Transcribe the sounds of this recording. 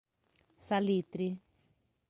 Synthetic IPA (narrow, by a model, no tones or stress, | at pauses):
salit̪ɾi